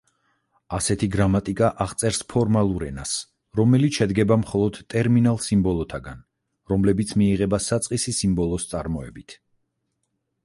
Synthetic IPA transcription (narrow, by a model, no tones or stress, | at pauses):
asɛt̪ʰiɡɾamat̪ʼikʼaʔaʁt̪sʼɛɾspʰɔɾmalˠuɾɛ̰na̰s | ɾɔmɛlit̪ʃɛd̪ɡɛbamχɔlˠɔd̪t̪ʼɛɾminalˠsimbɔlˠɔt̪ʰaɡan | ɾɔmlɛbit̪sʰmiːʁɛbasat̪sʼqʼisisimbɔlˠɔst̪sʼaɾmɔɛbit̪ʰ